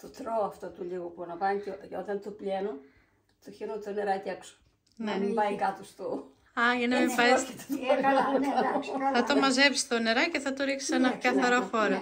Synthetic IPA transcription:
t̪ot̪ɾoɐft̪ot̪uliɣopuɐnɐvɐnc̪eot̪ɐnt̪opleno | t̪oçeɾont̪oneɾɐcekso̥ | nemimpɐjkɐt̪ost̪o | ɐɐnɐmipɐjset̪et̪kɐlɐnɐθɐt̪omɐzepi̥st̪one̞ɾɐceθɐt̪oɾiksi̥senɐkɐθɐɾofoɾɐ

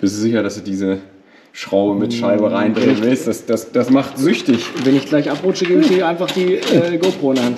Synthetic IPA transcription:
b̥ɪstuz̥ɪçɐɾasd̥uːdiːzə | ʃʁ̥aʊəmɪtʃaɪbəʁaɪndʁeŋənvɪlstd̥asd̥asd̥asmaχtz̥ʏçtɪçvɛnɪçɡ̥laɪçʔapʁʊt͡ʃəɡeːbmɪteaɪnfaχd̥iːɛːɡolpʁoːnan

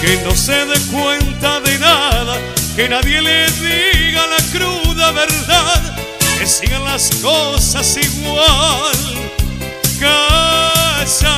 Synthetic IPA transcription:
keno̞se̞ðekwe̞nt̪aðe̞naða | ke̞naðje̞leðiɣalakɾuðaβe̞ɾðað | kesiɣanlaskosasiɣwal | ka | sa

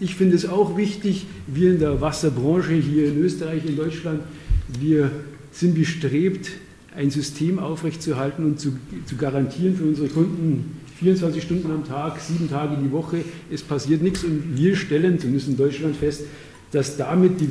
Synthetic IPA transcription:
ʔɪçfɪndəɛsaʊxv̥ɪçtɪç | viːɐɪndeːɐvasɐbʁɑ̃ːʃəɦiːɐɪnøːstəʁaɪçɪndɔʏt͡ʃlantv̥iːɐ | z̥ɪntb̥əʃtʁ̥eːpt | ʔaɪnzʏstʰeːmʔaʊfʁɛçtt͡suɐɦaltn̩ʊntt͡sut͡suɡaʁantʰiːʁənfyːɐʊnzəʁəkʰʊndn̩fiːɐʊnt͡sv̥ant͡ssɪçʃtʊndn̩amtʰaːkz̥iːbm̩tʰaːɡədiːvɔχəʔɛspʰasiːɐtnɪçsʊntv̥iːɐʃtɛlənt͡sʊmɪndəstɪndɔʏt͡ʃlantfɛst | d̥asd̥amɪt̚d̥iː

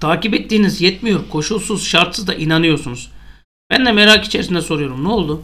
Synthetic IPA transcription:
t̪ʰaːcipɛt̪ːiːnizjɛt̪mijo̞ɾkʰo̞ʃulˠsuz̥ʃaɾt̪sɯzd̪aʔinanɯjo̞ɾsunuz̥ | b̥ænd̪ɛmeɾaki̥t͡ʃʰeɾisind̪ɛsoɾujo̞ɾumnɛo̞lˠd̪u

